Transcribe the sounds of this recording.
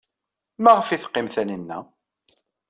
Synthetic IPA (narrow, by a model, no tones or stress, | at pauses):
mæʁəfiθqːɪmθænənːæ̰